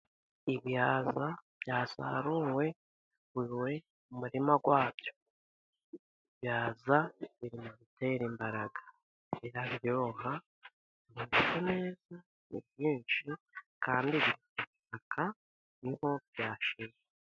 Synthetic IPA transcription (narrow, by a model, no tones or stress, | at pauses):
iβjaːzab̥jaːsa̰ɾuːwe̞ | wiːwe̞ | mumuɾimaɡwaːbjo̞ | iβjaːzaβiɾimuβite̞ɾimbaɾaɡḁ | iɾaβijjo̞ːha | miβikone̞ːza | nḭbjiːnʃikʰaːndiβiɾikoβisakʰa | niho̞bjaːʃez | e